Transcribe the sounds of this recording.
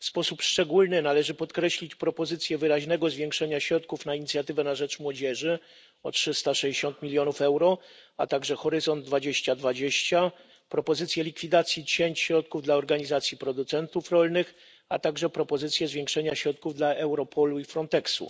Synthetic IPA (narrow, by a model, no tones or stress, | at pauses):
fspɔsupʂt͡ʂɛɡulnɘnalɛʐɘpɔt̪kɾɛɕlʲit͡ɕpɾɔpɔzɘt̪sʲjɛvɘɾaʑnɛɡɔzvʲjẽŋkʂɛɲaɕɾɔt̪kufnaiɲit̪sʲjat̪ɘvɛnaʐɛt͡ʂmwɔd͡ʑɛʐɘ | ɔtʂɘst̪aʂɛd͡ʑeɕɔnt̪mʲilʲjɔnufɛwɾɔa̰t̪aɡʐɛxɔɾɘzɔnd̪̚ːvad͡ʑeɕt͡ɕad̪vad͡ʑeɕt͡ɕa | pɾɔpɔzɘt̪sʲjɛlʲikfʲid̪at̪sʲjit͡ɕeɲt͡ɕɕɾɔt̪̚kuvd̪laɔɾɡaɲizat̪sʲjipɾɔd̪ut̪sɛnt̪ufɾɔlnɘx | a̰t̪aɡʐɛpɾɔpɔzɘt̪sʲjɛzvʲjeŋkʂɛɲaɕɾɔt̪̚kuvd̪laɛwɾɔpʰɔluifɾɔnt̪ɛksṵ